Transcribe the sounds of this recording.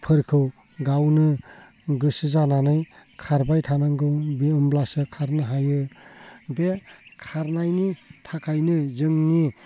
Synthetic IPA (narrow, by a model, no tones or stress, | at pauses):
pʰɯɾkʰɯw | ɡawnɯ | ɡɯsɯzananɯjkʰaɾbajtʰanaŋɡɯbiɔmblasɯkʰaɾnɯɦajɯ | bekʰaɾnajnitʰakʰajnɯzɯŋni